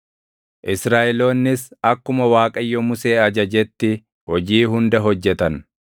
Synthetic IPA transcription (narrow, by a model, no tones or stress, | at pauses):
ʔɪsɾaːʔɛlo̞ːnːɪsɐkːʊmɐwaːkʼɐjːɔmʊse̞ːɐd͡ʒɐd͡ʒɛt̪ːɪ | hɔd͡ʒiːɦʊnd̪ɐɦɔd͡ʒːɛt̪ɐn